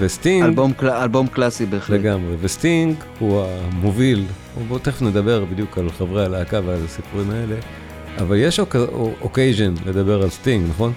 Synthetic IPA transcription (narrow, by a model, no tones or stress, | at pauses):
vestiŋɡbomalbomklasibeleɡamʁevestiŋɡ | huamovil | obot̪eχne̞d̪abe̞ʁbid̪jukalχavʁaalaːkavealasipuʁimae̞le̞ | avalje̞ʃokʔokejʒonle̞d̪abe̞ʁalstiŋɡnaχo̞n